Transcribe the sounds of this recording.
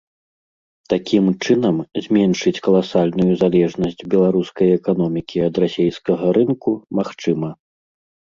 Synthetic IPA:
t̪akʲʰimt͡ʂɨnɐmzʲmʲɛnʂɨt͡sʲkɐlˠasalʲnujuzalʲɛʐnɐsʲd͡zʲbʲɛlˠaɾuskɐjɛkanɔmʲikʲiɐd̪rasʲejskɐɣɐɾɨnkumaxt͡ʂɨmɐ

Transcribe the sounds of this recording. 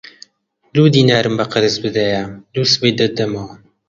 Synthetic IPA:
luːd̪iːnaːɾɨmbɐqɨɾɨzbɨd̪ɐjaluːsɨbejd̪ɐd̪ɐmɐwɐ

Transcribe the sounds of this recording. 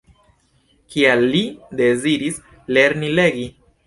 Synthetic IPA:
kialːide̞ziɾis | le̞ɾnile̞ɡi

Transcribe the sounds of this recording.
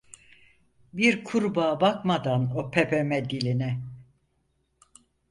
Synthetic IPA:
biɾkʰuɾbaːbakmad̪anopʰepʰemɛd̪ilʲinɛ

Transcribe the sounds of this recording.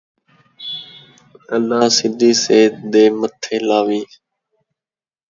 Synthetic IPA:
əlːaːsɪd̪ʱiːseːd̪eːmət̪ʰeːlaːʋiː

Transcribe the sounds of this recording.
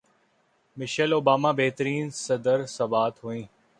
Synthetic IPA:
mɪʃəloːbaːmaːbeɦt̪əɾiːnsɐd̪əɾsɐbaːt̪ɦuĩː

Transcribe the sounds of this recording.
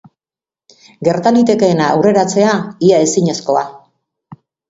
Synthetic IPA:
ɡe̞ɾt̪alit̪e̞ke̞ːnaːwre̞ɾat͡se̞aiae̞siɲe̞sko̞a̰

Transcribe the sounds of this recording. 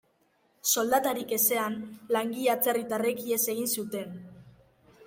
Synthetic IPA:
so̞ld̪at̪aɾike̞se̞anlaŋɡiat͡se̞rit̪arekie̞se̞ɣ̞insut̪e̞n

